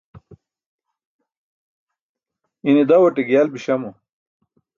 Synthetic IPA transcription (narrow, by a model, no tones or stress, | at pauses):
inid̪ɐwɐʈiɡjaːlbiɕɐmu